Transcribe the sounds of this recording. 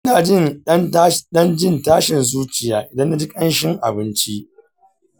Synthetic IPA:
ɪ˦naː˨d͡ʒɪ˦n˦n˦ɗɐ˦nd͡ʒɪ˦˨ntaː˦ʃɪ˨nzuː˦t͡ʃɪ˨jaː˨˦ʔɪ˨dɐ˦nːa˦d͡ʒɪ˦kʼɐ˦nʃɪ˦ŋʔa̰˨bɪ˦nt͡ʃi˦ʔ

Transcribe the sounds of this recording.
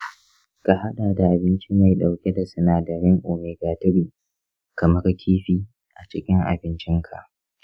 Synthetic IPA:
ka˨ha˦ɗaː˨da˨ʔa˨bɪ˦nt͡ʃɪ˦ma˨jɗa˨wkʲe˦da˨sʊ˦naː˨dɐ˨ɾɪ˦ŋʔoː˨meː˨ɡaː˨tɪ˦ɾiː˨ | kɐ˨mɐ˦ɾa˦˨kʲʰiː˦ɸiː˦ | ʔa˨t͡ʃɪ˦kʲɪ˦ŋʔa̰˨bɪ˦nt͡ʃɪ˦ŋkʰa˨ʔ

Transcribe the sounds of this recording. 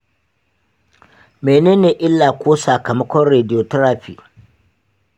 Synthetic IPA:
meː˨neː˦neː˨ʔɪ˦lːaː˨kʷoː˦sa˨kɐ˨mɐ˦kʷɔ˦nɾeː˨dɪ˨jo˨tɐ˦ɾa˦ɸiː˨

